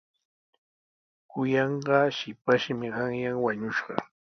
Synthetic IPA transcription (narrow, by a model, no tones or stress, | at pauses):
kʊjɑɴɢɑʃɪpaʃmɪɢɑŋjaŋwaɲʊʃɢɑ̰